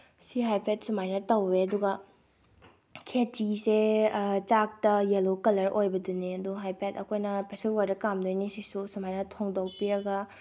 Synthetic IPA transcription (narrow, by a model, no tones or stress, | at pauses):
siɦajpʰet̚sumajnɐtɐwːeɐduɡɐ | kʰetiset͡ʃak̚tɐjelokɐlɐɾʔojbɐduniɐduɦajpʰetɐkʰojnɐpesilwɐɾdɐkamdojnisisusumajnɐtʰoŋdok̚piɾɐɡɐ